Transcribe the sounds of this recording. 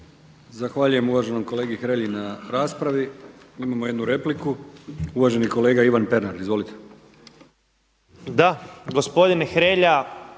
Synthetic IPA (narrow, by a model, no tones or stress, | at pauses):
zaxʋaːʎuje̞muʋaʒe̞nomko̞le̞ːɡixɾe̞ʎinaɾaːspɾaʋiimamojed̪nuɾe̞plikuuʋaʒe̞niko̞le̞ːɡaiʋanpe̞ɾnaɾizʋo̞lit̪ʰe̥ | d̪aɡospo̞d̪inexɾeːʎa